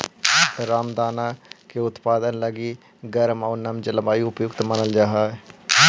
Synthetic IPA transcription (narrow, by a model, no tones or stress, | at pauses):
ɾaːmd̪aːnaːkeʊt̪paːd̪ənləɡiː | ɡəɾmaʊnəmd͡ʒələmaːiʊpjʊɡt̪mənəld͡ʒaːɦaː